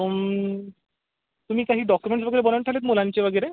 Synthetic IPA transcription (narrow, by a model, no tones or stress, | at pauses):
t̪um̤iːkaɦiːɖɔkjumeɳʈs̬ʋəɡəɾebənəɳʈʰalet̪mulãɲt͡ɕeʋəɡəɾe